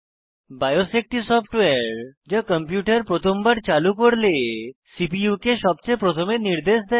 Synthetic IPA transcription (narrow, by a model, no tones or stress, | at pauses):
bajosek̚ʈisɔpʰʈweɾd͡ʑakəmpjuʈaɾpɾot̪ʰombaɾt͡ɕalukoɾlesipiukeʃɔb̚t͡ɕepɾot̪ʰomeniɾd̪eʃd̪ɛ